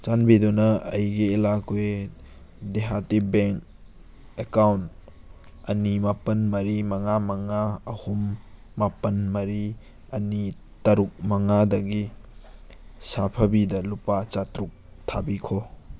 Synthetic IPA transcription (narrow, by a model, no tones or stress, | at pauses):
t͡ʃanbidunɐɐjɡiːlakʰuj | deɦatibeŋk̚ | ekawnt | ɐnimapɐnmɐɾimɐŋamɐŋaɐhumː | apɐnmɐɾi | ɐni | tɐɾuk̚mɐŋadɐɡi | sapʰɐbidɐlupat͡ʃatɾuk̚ | tʰabikʰo